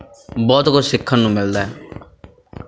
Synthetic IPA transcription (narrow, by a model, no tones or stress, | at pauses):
bɔːt̪kʊd͡ʒsɪkʰːənnũːmɪld̪aɦɛː